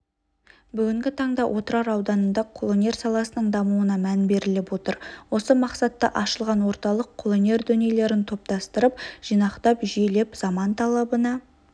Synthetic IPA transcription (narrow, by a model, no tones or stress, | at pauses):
bʏɡʲɪŋɡʲɪt̪ʰɑɴd̪ɑʔo̞t̪əɾɑɾɑwd̪ɑnənd̪ɑqʰolˠone̞rsɑlˠɑsənəɴd̪ɑmuənɑmænbe̞ɾɪlɪpwo̞t̪əɾwo̞səmɑqsɑt̪ːɑ̰ʔɑʃəlˠʁɑnwo̞ɾt̪ɑlˠəqʰːolˠone̞ɾd̪ɵnele̞ɾɪnt̪ʰo̞p̚t̪ɑst̪əɾəp̚ʒ̥ijnɑqt̪ɑpʒjele̞pzɑmɑnt̪ʰɑlˠɑbənɑ